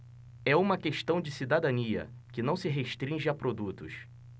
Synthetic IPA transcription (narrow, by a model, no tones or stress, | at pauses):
ɛũmɐkeʃt̪ɐ̃w̃d͡ʒɪsid̪ad̪ɐniɐ̰ | kɪnɐ̃w̃sɪɦeʃt̪ɾĩʒɪapɾod̪ut̪ʊ̰s